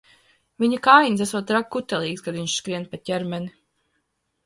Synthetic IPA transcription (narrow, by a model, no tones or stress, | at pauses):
viɲakaːjiɲʲs̬æsuɔt̪ɾak̚ːut̪ɛlˠiːkskad̪viɲʃskɾiɛnpatʲɛɾmɛni